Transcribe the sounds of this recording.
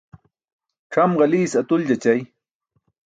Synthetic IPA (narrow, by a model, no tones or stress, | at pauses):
ʈ͡ʂʰamɢɑliːsat̪ʊld͡ʑat͡ɕaj